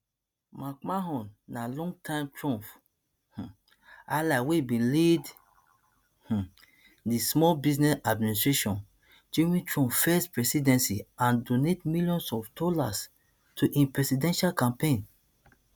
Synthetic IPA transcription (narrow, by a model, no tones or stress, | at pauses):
makmaɦɔ̃nːalɔ̃ŋɡtʰãɪ̃mtɹɔ̃mp | h̩ | alaweibĩnled | h̩ | dismɔlbiznɛsadministɹeʃɔ̃n | d͡ʒẽmĩtɹɔ̃mpfɛspɹɛsidɛ̃nsiãndonetmiljɔ̃nsɔfdɔlas | tʰuʔĩnpɹɛsidɛ̃nʃalkãmpẽn